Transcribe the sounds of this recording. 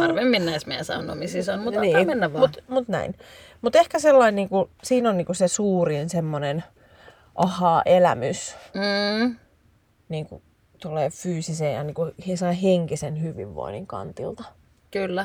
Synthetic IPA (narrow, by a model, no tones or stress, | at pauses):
ɑrʋemːinːæismeæsɑ̰uno̰misisonmut̪niːmenːæʋmut̪mut̪næ̰in | mut̪ehkæselːɑinniːŋkusiːnonniːŋkusesuːrinsemːonen | ʔɑhɑːʔelæ̰mys̩ | niːŋkṵ | t̪olːeːfyːsisejjɑ̰niːŋkuhesɑiheŋkisenhyʋḭʋʋo̰inḭŋkɑ̰nt̪ḭlt̪ɑ | kylːæ